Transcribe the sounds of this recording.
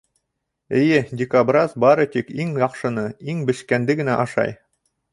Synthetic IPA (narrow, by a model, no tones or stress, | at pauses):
ɘ̆jɘdʲɪkabrɑzbɑɾɤt̪ikiŋjɑqʃɤ̆nɤiŋbɘ̆ʃkænd̪ɘɡɘ̆næʔɑʃɑ̰j